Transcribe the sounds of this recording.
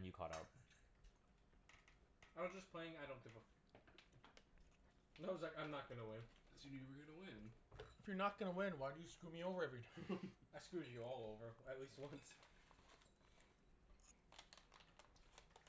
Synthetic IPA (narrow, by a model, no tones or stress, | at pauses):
njɨkʰɔ̰ɾa̰ʊt̚ | ãɪ̃d͡ʒʌspʰl̥eɪɪ̃ŋaɪɾõʊ̃nθɪvə | naɪwʌzlaɪkãɪ̃mnət̚ɡ̥ʌnəwɪ̃nsɨniɨwə˞ɡʌnəwɪ̃nɨfjə˞nət̚ɡ̥ʌnəwɪ̃nwaɪdɨjɨskɹumioʊvə˞ɛvɹitʰãɪ̃maɪskɹʉɾɨɨɔlˠoʊvə˞ɨtˡlist̚wʌ̃ns